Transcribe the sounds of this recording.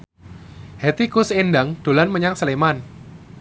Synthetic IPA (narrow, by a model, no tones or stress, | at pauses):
hɛt̪ikʊsendaŋd̥o̤lanməɲaŋsəleman